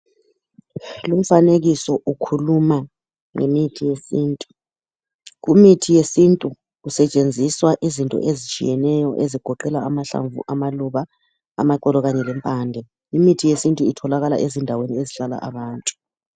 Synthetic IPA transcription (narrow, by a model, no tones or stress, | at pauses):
lum̩faneɣisɔʔukʰuluma | ŋḛmitʰijesiːntʼu̥ | ɣumitʰijesintʼu | usɛt͡ʃʼend͡zʱiswaʔizintʼɔ̰ʔezit͡ʃʼḭjɛnɛjɔʔeziɡ̥ʱɔǃɛlaamaɬa̰ɱvṵʔamaluβa | a̰maǃɛlɔɣaɲɛlɛmpʼaːndʱɛ | imitʰijesintʼuitʰɔlaɣala̰ʔezindʱawenieziɬala̰ʔa̰βaːntʼu̥